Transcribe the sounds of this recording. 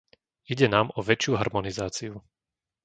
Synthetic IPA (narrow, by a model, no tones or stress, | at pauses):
iɟɛnaːmɔʋɛt͡ʃɪuɦaɾmɔnizaːt͡siu